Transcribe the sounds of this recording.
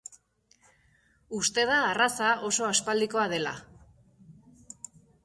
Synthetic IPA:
ust̪e̞ð̞aːrasaʔo̞so̞aspald̪iko̞að̞e̞la̰

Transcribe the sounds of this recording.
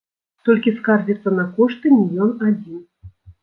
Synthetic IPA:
t̪olʲkʲiskɑrzʲit̪sənakoʂt̪ɨmʲiljʲonad͡zʲin

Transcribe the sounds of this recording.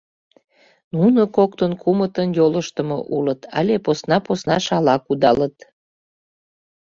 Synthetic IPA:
nunokok̚t̪ənkʰumət̪ənjoləʃt̪əmo̰ʔulət̪ʰɑ̰lʲeposnɑposnɑʃɑlɑkud̪ɑlət̪

